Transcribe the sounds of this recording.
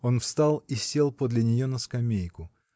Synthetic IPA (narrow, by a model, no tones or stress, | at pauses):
o̞nfst̪alˠisʲelˠpod̪lʲɪnʲɪjo̞nəskɐmʲejkʊ